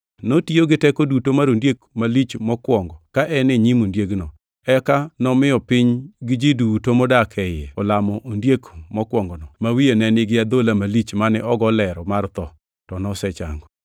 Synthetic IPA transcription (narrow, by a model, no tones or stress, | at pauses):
notioɡɪtɛkodutomaɾondjekmalit͡ʃmɔkwɔŋɡɔkaʔɛnɪɲimondjeɡnɔ | ɛkanɔmɪɔpɪɲɡɪd͡ʒidutomɔdakʰɛjɛɔlamɔʔondjekmɔkwɔŋɡɔnɔmawienɛnɪɡɪad̪olamalit͡ʃmanɛʔɔɡɔlɛɾɔmart̪ɔ | tɔnɔsɛt͡ʃa̰ŋɡɔ